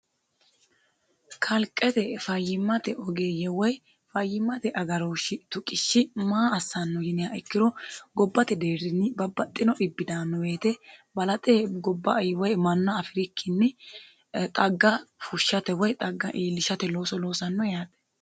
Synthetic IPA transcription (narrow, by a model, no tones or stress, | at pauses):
kʰɐlkʼːɛt̪ɛfɐjːɪmːɐt̪ɛʔɔɡeːjɛwɔj | fɐjːɪmːɐt̪ɛʔɐɡɐɾoːʃɪt̪ʊkʼɪʃːɪmaːɐsːɐnːɔjɪnɪjaʔɛkːɪɾɔɡɔbːɐt̪ɛd̪e̞ːɾɪnːɪbɐbːɐt̪ʼːɪnɔʔɪbːɪd̪aːnːɔweːt̪ɛbɐlɐt̪ʼɛɡɔbːɐjwɔjmɐnːɐːfɪɾɪkʰːɪnːɪ | t̪ʼɐɡːɐfʊʃːɐt̪ɛwɔjt̪ʼɐɡːɐ̰ʔiːlːɪʃɐt̪ɛloːsɔlo̞ːsɐnːɔjaːt̪ʼɛ̥